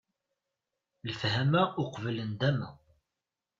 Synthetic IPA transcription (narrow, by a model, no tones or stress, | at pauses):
ləfhæmæʔʊqvələnd̪æmæ